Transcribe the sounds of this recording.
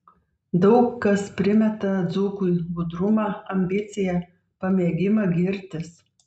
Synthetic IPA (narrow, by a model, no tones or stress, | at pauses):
d̪ɒʊkːɐspʲɾʲɪmʲɛt̪ɐd̪zukuɪbʊd̪ɾʊmɑːɐmʲbʲɪt̪sʲɪjɛ | pɐmʲeːɡʲɪmɐɡʲɪɾʲt̪ʲɪs